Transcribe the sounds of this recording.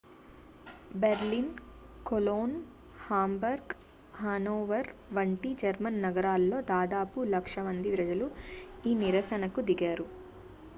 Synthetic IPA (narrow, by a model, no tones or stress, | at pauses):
beɾlin | koloːn | haːmbɐɾɡ | haːnoːʋɐɾʋɐɳʈid͡ʒɐɾmɐnːɐɡɐɾaːlːo̞ːd̪aːd̪aːpulɐkʂɐmɐnd̪iʋɾɐd͡ʒɐlu | iːniɾɐsɐnɐkud̪iɡaːɾu